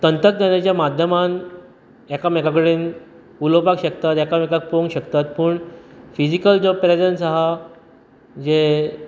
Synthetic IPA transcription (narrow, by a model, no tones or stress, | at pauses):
t̪ənt̪ək̚d̪janat͡ɕjamad̪ʱjəman | ɛkamɛkakəɽen | ulopakɕək̚t̪at̪ɛkamɛkak̚poŋɡɕəkt̪at̪pəːɳfid͡ʑikəld͡ʑəpɾed͡zənsaɦa | d͡ʑe